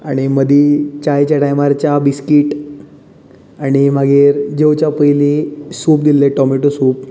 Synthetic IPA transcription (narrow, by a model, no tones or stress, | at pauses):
aɽ̃iməd̪ʱiːt͡ɕajt͡ɕaɽajmaɾt͡ɕabiskiʈ | aɽ̃imaɡʱeːɾd͡ʑewt͡ɕapəjlisuːpd̪ileʈɔmiʈosuːp̚